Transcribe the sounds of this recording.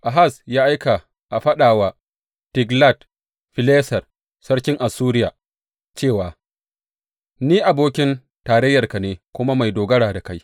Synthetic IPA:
ʔa˨ɦa˦˨sjaː˦ʔa˦jka˨ | ʔa˨ɸɐ˦ɗaː˨waː˨ | tɪ˨ɡla˦˨t | ɸɪ˨leː˦sɐ˨r | sɐ˦ɽkʲɪ˦ŋʔa˨suː˦ɾɪ˦jaː˨ | t͡ʃeː˦˨waː˨ | niː˦ʔa˨boː˦kʲɪ˦n | taː˨ɾɛ˦jːɐ˨rka˨neː˨kʷʊ˦ma˦ma˨jdoː˨ɡɐ˦ɽaː˨da˨ka˦j

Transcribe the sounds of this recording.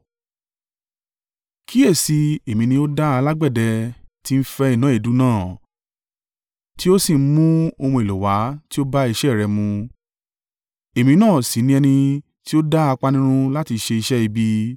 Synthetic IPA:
kʰi˦ɛ˦˨si˧e˨mĩ˨˧nĩ˧˦o˦da˦a˧la˦ɡ͡bɛ˦˨dɛ˧ti˦n̩˦fɛ˧i˦˨nã˨˦e˦˨du˨˦nãː˦˨ | ti˦o˦si˦˨m̩˦mũ˦o˧mũ˧e˨lo˨wa˨˦ti˦o˦ba˦i˧ʃɛ˦˨ɾɛ˧mũ˧ | e˨mĩ˧nãː˦˨si˨˦nĩ˧ɛ˧nĩ˧ | ti˦o˦da˦a˧k͡pa˧nĩ˦ɾ̃ũ˦la˦ti˧ʃe˧i˧ʃɛ˦i˧bi˧

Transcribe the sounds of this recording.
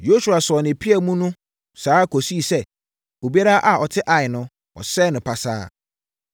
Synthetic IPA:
jo˦su˨a˨sɔ˨nɪ̃˨pʰi˦ɛ˨mũ˦nʊ̃˦ | saː˨˦kʰo˨si˦˨sɛ˦˨ | o˨bi˦a˦ɾa˦ʔa˨ɔ˨tʰɪ˦ʔa˨ɪ˨nʊ̃˦ | ɔ̰˨sɛ˦nʊ̃˨pʰa˨sa̰ː˦

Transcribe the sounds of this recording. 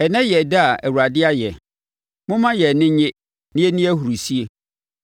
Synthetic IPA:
ɛ˨nɛ̃˦jɛ˨da˦a˨ʔæ˨wu˨ɾa˨dɪ˦a˦jɛ˨ | mʊ̃˦mã˦jɛ˨nɪ̃˦ɲẽ˦ | nɪ̃˦e˦nĩ˦æ˦hu˨ɾu˨si˦e˦

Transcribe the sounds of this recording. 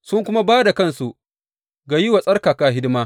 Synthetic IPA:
sʊ˦ŋkʷʊ˦ma˦baː˦da˨kɐ˦˨nsu˨ʔ | ɡa˨ji˦wa˨sʼɐ˦rkaː˨kaː˨ɦɪ˦dɪ˦maː˦

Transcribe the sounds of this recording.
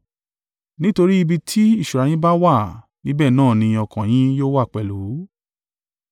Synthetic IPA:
nĩ˦to˧ɾi˦i˧bi˧tʰi˦i˦˨ʃu˨ɾa˨j̃ĩ˦ba˦wa˦˨ | nĩ˦bɛː˦˨nãː˦˨nĩ˧ɔ˧kã˨j̃ĩ˦joː˦wa˦˨k͡pɛ˨lo˨˦

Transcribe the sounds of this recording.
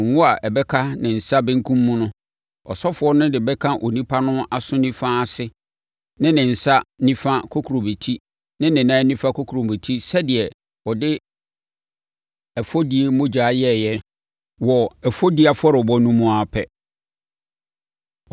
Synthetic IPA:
wʊ̃˦a˨ʔɛ˨bɛ˦kʰa˦nɪ̃˨n̩˨sa˦bɪ̃˦ŋ̩˦kʰũ˦mːũ˦nʊ̃˦ | ɔ̰˨sɔ˦fʊ˨˦ɔ˦nʊ̃˦dɪ˨bɛ˦kʰã˦ʔo˨nĩ˦pʰa˦nʊ̃˦a˨sʊ̃˦nĩ˦fa˦˨sɪ˦ | nɪ̃˦nɪ̃˨n̩˨sa˦nĩ˦fa˦kʰo˦kʰu˨ɾo˨be˨tʰi˦ | nɪ̃˦nɪ̃˨nãː˦nĩ˦fa˦kʰo˦kʰu˨ɾo˨be˨tʰi˦sɛ˦dɪ˨ɛ˨ | ɔ˨dɪ˦ | ɛ˨fɔ˦di˨˦e˦mʊ̃˦d͡ʑaː˨˦jɛ˦˨jɛ˦ | wɔ˨ɛ˨fo˦di˦a˨fɔ˦ɾɪ˨bɔ˦nũ˦mũ˦a˨pʰɛ˦

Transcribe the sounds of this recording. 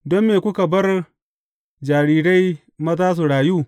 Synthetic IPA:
dɔ˦mːeː˨kʷʊ˦ka˨bɐ˦r | d͡ʒaː˨ɾiː˦ɾa˦j | mɐ˦zaː˦s̬u˨ɽaː˨juː˦

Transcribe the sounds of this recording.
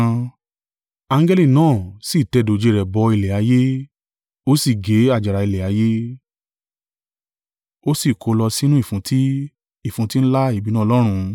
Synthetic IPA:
a˧ŋ̩˦ɡɛ˦li˦˨nãː˦˨si˦˨tɛ˨do˨d͡ʒe˧˦˧ɾɛ˨bɔ˧i˧lɛ˨a˨˦je˦ | o˦si˦˨ɡe˨˦a˦˨d͡ʒa˨ɾa˨˧i˧lɛ˨a˨˦je˦ | o˦si˦˨kʰo˨˧lɔ˧si˦nũ˦i˦˨fũ˨˦ti˦ | i˦˨fũ˨˧˦ti˦n̩˦la˦i˦˨bi˨˦nã˦˧lɔ˦ɾ̃ũ˧

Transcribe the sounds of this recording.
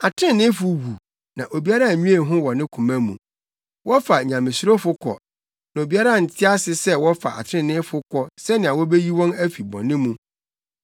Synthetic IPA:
a˨tʰɾɪ̃˦nɪ̃˦fʊ˨wu˨ | nã˨ʔo˨bi˦a˦ɾa˦˨ɲũ˦e˦˨ɦʊ̃˦wɔ˨nɪ̃˦kʰũ˨mæ̃˦mũ˨ | wɔ˦fa˨ɲã˨mɪ̃˨sɾo˦fʊ˦kʰɔ̰˨ | nã˨o˨bi˦a˦ɾa˦˨n̩˨tʰɪ˦a˦sɪ˨sɛ˦wɔ˦fa̰˨a̰˨tʰɪ̃˦˨nɪ̃˦fʊ˦kʰɔ˦sɛ˦nɪ̃˨a˨wɔ˦be˦ji˦wɔ̃˦næ˦fi˨bɔ̰̃˨nːɪ̃˦mũ˦

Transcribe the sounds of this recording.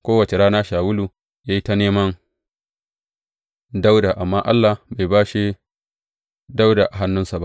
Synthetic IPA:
kʷoː˦wɐ˨t͡ʃe˨ɽaː˦naː˦ʃaː˨wʊ˦luː˨ | jaː˦ji˦ta˦neː˦mɐ˦n | da˦wda˨ʔa˨mːaː˦ʔa˦lːa˨ba˨jbaː˦ʃi˦ | da˦wda˨ʔa˨ɦa˦nːʊ˦nsa˨ba̰˦ʔ

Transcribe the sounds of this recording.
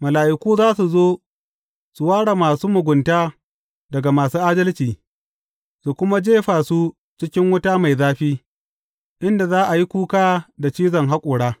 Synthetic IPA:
mɐ˨laː˨ʔɪ˨kʷuː˦zaː˦su˨zoː˦ | su˨waː˦ɽa˨maː˨suː˦mʊ˨ɡʷʊ˨ntaː˦ | dɐ˨ɡa˨maː˨suː˦ʔaː˦dɐ˦lt͡ʃiː˨ | su˨kʷʊ˦ma˦d͡ʒeː˦ɸaː˨su˦ | t͡ʃɪ˦kʲɪ˦ŋwʊ˦ta˦ma˨jzaː˦ɸiː˦ | ʔɪ˦nda˨zaː˦ʔa˨ji˦kʷuː˦kaː˦da˨t͡ʃiː˦zɐ˨ŋɦa˦kʷʼʊː˨ɽaː˦

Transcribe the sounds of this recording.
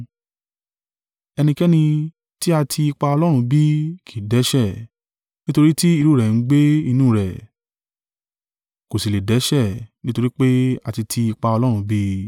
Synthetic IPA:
ɛ˧nĩ˧kɛ˦nĩ˧ | ti˦a˧tʰi˧i˧k͡pa˧ɔ˧lɔ˦ɾ̃ũ˧bi˦kʰi˨dɛ˨˦ʃɛ˦˨ | nĩ˦to˧ɾi˦ti˦i˧ɾu˦ɾɛ˨n̩˨˦ɡ͡be˦i˧nũː˦˨ɾɛ˨ | ko˨si˨le˨dɛ˨˦ʃɛ˦˨nĩ˦to˧ɾi˦k͡pe˦a˧ti˧tʰi˧i˧k͡pa˧ɔ˧lɔ˦ɾ̃ũ˧bi˦

